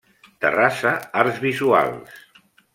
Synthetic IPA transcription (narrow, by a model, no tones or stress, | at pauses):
t̪ə̰rasəaɾzβizua̰lˠs